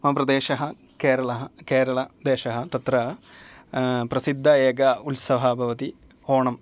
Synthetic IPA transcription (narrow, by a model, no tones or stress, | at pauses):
mɐɦɐpɾɐd̪eːʃɐɦɐ | keːɾɐɭɐɦɐkeːɾɐɭɐd̪eːʃɐɦɐt̪ɐt̪ɾɐ | pɾɐsid̪ʱːɐeːɡɐulsɐʋɦɐbʱɐʋɐt̪i | hoːɳɐm